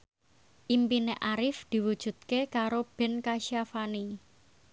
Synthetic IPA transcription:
ʔimpineʔaɾɪfd̪̥i̤wud̥ʒ̥ṳt̪̚kekaɾob̥ɛ̤nkaʃiafani

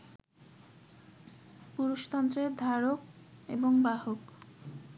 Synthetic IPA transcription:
puɾuʃt̪ɔnt̪ɾed̪ʱaɾok̚ | eboŋbaɦok

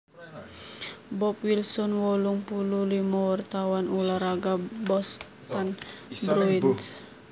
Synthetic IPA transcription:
bɔp̚wilsɔnwɔluŋpululimawart̪awanulaɾaɡabɔs | t̪anbɾui

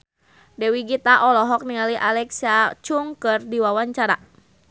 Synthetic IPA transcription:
dɛwiɡit̪aʔɔlɔɦɔk̚nialiʔalɛksat͡ʃuŋkɨrdiwawaɲt͡ʃaɾa

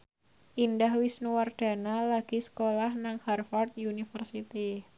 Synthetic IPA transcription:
ʔindahwisnuward̪̥a̤nalaɡ̥isə̥kolahnaŋharfɔrt̪̚unifərsit̪i

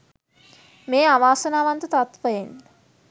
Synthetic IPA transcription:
meːaʋaːsənaːʋant̪ət̪at̪ʋəjen

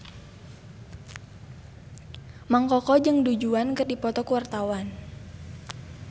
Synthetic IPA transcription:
maŋkɔkɔd͡ʒɨŋdud͡ʒuankɨrdipɔt̪ɔkuwart̪awan

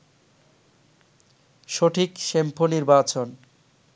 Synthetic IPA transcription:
ʃoʈʰikʃempʰoniɾbat͡ɕon

